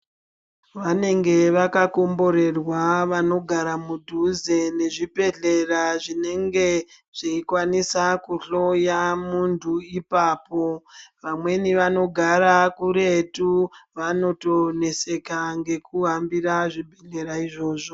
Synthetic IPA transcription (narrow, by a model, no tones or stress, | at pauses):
ʋane̞ŋɡe̞ʋakako̞mbo̞ɾe̞rwaʋano̞ɡʱaɾamudʱuze̞ne̞ʐibʱe̞ɮe̞raʐine̞ŋɡe̞ | ʐ̥iikwanisakuɬo̞jamuntʰuipaːpo̞ʋamwe̞niʋano̞ɡʱaɾakuɾe̞tuʋano̞to̞ne̞se̞kaŋɡe̞kuɦambiraʐibʱeɮe̞ɾaiʐo̞ːʐo̞